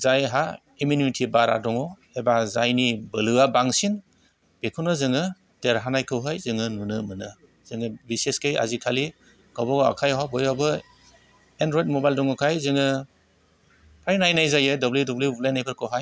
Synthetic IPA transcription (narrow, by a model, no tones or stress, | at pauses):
zajɦa | imunimitʰibaɾa̰dɔŋɔ | ebazajnibɯlɯabaŋsin | b̥ekʰunɯzɯŋɯ | deɾɦanajkʰɯwɦajzɯŋɯnunɯmɯnɯ | z̥ɯŋɯbiseskeja̰zikʰali | ɡ̥abɔɡɔa̰kʰajawabɔjabɯ | endɾɔjt̚mɔbajldɔŋɔkʰajzɯŋɯ | pʰajnajnajzajɯdɔblidɔbluublajnajpʰɯɾkʰɯwɦaj